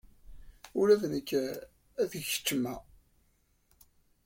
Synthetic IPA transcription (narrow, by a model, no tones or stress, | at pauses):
ʊɾævnəkː | æðəçə̥t͡ʃːəmæ